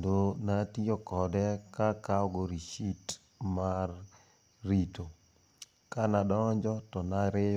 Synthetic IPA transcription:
ndonatiɔkɔdɛkakaɔɡoɾiʃit | marː | ito | kanadɔɲd͡ʒɔtɔnaɾɪjɔ

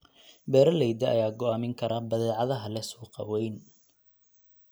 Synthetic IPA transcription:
bɛːɾɐlɛjd̪ɐʔɐ̰jaːɡɔaːmɪŋkʰɐɾabɐðɛːʕɑðɐɦɐlɛsuːqɑ̰wɛjn

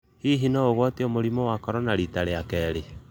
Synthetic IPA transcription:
hiɦinɔoɣwɔtiomoɾimɔwakɔɾɔnaɾitaɾeakɛːɾe

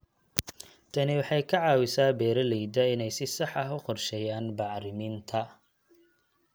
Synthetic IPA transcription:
t̪ʰɐnɪwɑħɑjkʰɐʕɑːwɪsaːbɛːɾɐlɛjd̪ɐɪnɛjsɪsɑħɐɦʊqɔrʃɛjaːnbɑʕɾɪmiːnt̪ʰɐ

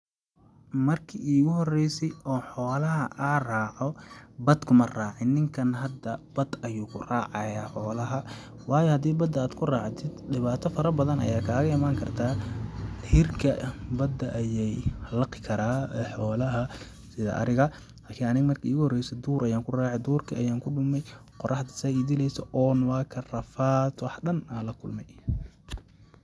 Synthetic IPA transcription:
mɐrkʰiiːɣʊɦɔrɛjsɛjʔɔːħɔːlɐɦɐʔaːraːʕɔbɐd̪kʰʊmɐraːʕɪnːɪŋkʰɐnɦɐd̪ɐb̥ɐd̪ɐjuːkʰʊraːʕɑjaːħɔːlɐɦɐ | wɑːjɔhɐd̪iːbɐd̪ɐaːd̪kʰʊraːʕt̪ʰɪd̪ɖɪβaːt̪ʰɔfɐɾɐbɐðɐnɐ̰jaːkʰaːɣɐɪmaːŋkʰɐrt̪ʰaː | hɪrkʰɐbɐd̪ɐʔɐjɛjlɐqɪkʰɐɾaːɛħɔːlɐɦɐ | sɪðɐ̰ʔɐ̰ɾɪɣɐ | laːkʰɪːnɐnɪɣmɐrkʰɐiɣʊhɔrɛjsɛd̪uːɾʔɐjaːŋkʰʊraːʕɛd̪uːrkʰiʔɐjaːŋkʰʊɖʊmɛjqɔrʔɑħd̪ɐ̥sɐːid̪ɪlɛjsɔʔɔːnwɑːkʰɐrɐfaːt̪wɑħɗɐnalɐkʰʊlmɛj

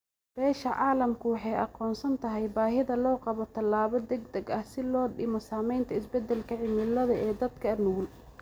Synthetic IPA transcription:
b̥ɛːʃɐʕɑːlɐmkʰʊwɑħɑjɑ̰qɔːnsɐnt̪ʰɐɦɛjbaːɦɪðɐlɔːqɑβɔt̪ʰɐlːaːβɔd̪ɛɡd̪ɛɡɐhsɪlɔːɖɪmɔsaːmɛjnt̪ʰɐɪsbɛd̪ɛlkʰɐʕɪmɪlɐðɐɛːd̪ɐd̪kʰɐnuːl

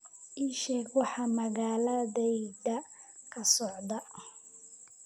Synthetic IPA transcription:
ʔiːʃɛɡwɑħɑmɐɣaːlɐðɛjðɐ | kʰɐsɔʕd̪ɐ

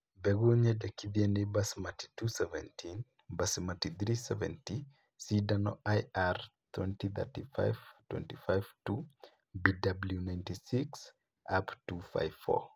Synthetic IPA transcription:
bɛɡuɲɛdɛkiðiɛnebasmati̥tusɛvɛ̰̃ntʰin | basmatidɾisɛvɛ̰̃nti | sidanɔ̰ʔajartʰwɛ̃ntiθɛ̰tifa̰jvtwɛ̰̃ntifajvtu | bidabljunajntisiks | ʔaptufa̰jvfɔ̰

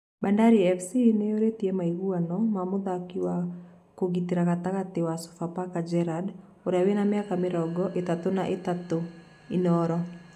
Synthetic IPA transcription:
bandaɾiɛfsineoɾetiɛmaiɣuanɔmamoðakiwa | koɣiteɾaɣataɣatewaso̥fapakad͡ʒɛɾad | oɾeawenameakameɾɔɡɔʔetatonaʔetato | inɔɾɔ

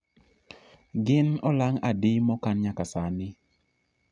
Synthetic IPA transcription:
ɡɪnɔlaŋadɪmɔkanɲakasanɪ

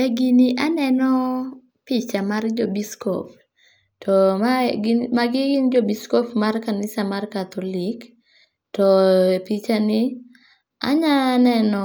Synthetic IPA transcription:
ɛɡiniʔanɛnɔ | pit͡ʃamard͡ʒobiskɔ̰p | tɔɡmaɡɪɡɪnd͡ʒobiskɔpmarkanɪsamarkat̪olik | tɔpit͡ʃanɪ | a̰ɲanɛnɔ

